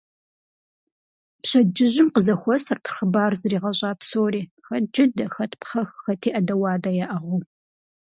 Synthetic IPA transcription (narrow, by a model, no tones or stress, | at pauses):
pɕɐd͡ʒɪʑɪmqəzɐxʷɔsɐrtʰrxəbaːrzɨriːʁɐɕʼɑːpsoːɾiːxɐt̚d͡ʒɪdɐxɐtʰpχɐxxɐtʰiːʔɐdɐwɑːdɐjɛʔɐʁuː